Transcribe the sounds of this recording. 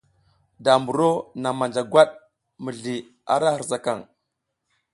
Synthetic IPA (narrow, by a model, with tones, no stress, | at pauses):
da˨mbu˨ɾo˦na˨ma˨nd͡ʒa˨ɡwʷa˦ɗ | mə˨ɮi˨ | a̰˨ɾa˦hə˨ɾza˨ka˨ŋ